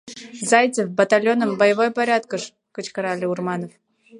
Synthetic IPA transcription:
zaj̪t͡s̪ʲəfbɐt̪alʲonəmbɐjəvojpɐɾʲat̪̚kəʂ | kɨt͡ɕkɐɾalʲiurmanəf

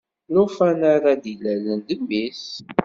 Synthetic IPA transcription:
lʊfænaɾad̪ilælənd̪əmːis

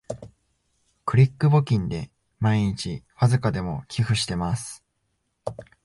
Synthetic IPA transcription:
kɯ̟ɾʲikːɯ̟bo̞kʲĩnd̪e̞ | maiɲ̟it͡ɕiɸazɨkad̪e̞mo̞̰kʲʰiɸɯ̟ɕi̥t̪e̞masɨ̥

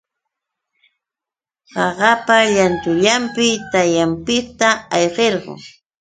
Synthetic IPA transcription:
ɢɑɢɑpaʎant̪ʊʎampɪt̪ajampɪt̪aɑjɢeɾɢʊ̰ŋ

